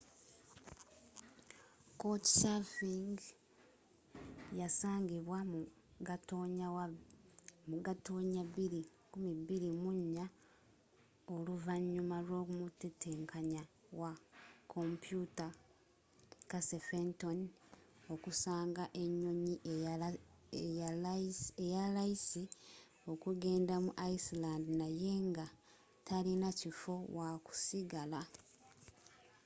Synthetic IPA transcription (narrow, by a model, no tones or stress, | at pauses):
koti̥safiŋɡ | jasaːŋɡiβwam | ɡatoɲaw | muɡatoːɲaβiɾi | kumiβiɾimuɲːa | o̞luvaɲːumaɾo̞ːkumuteteːŋkʰaɲa | wakʰo̞mpjuta | kasefenton | o̞kusaːŋɡaʔe̞ɲːo̞ɲiʔ | ejalajisi | o̞kuɡe̞ːndamuʔaisilandinaje̞ŋɡa | tʰalinacifo̞waku̥siɡala